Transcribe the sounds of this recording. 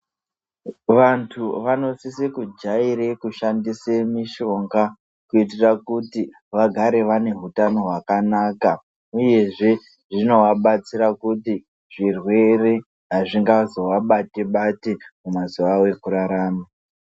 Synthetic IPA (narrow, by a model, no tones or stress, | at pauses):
ʋantʰuʋano̞sisikud͡ʒaiɾekuʃandisemiʃo̞ŋɡa | kuit̬irakuti | ʋaɡʱaɾe̞ʋane̞ɦutano̞ɦwakanaːka | uje̞ʐe̞ | ʐino̞ʋaɓat͡siɾakuti | ʐirwe̞re̞ | ɦaʐiŋɡazo̞ʋaɓateɓatemumaziʋawe̞kuɾaɾaːma